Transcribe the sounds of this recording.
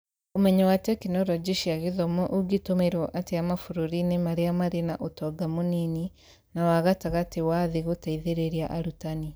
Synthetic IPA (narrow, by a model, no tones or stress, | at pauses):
omɛɲawatɛkinɔɾɔd͡ʒeʃiaɣeðɔmɔʔuɡitomeɾwɔʔateamafuɾoɾinemaɾeamaɾena̰ʔotɔɡamonini | nawaɣataɣatewaðeɣotaiðeɾeɾiaʔaɾutani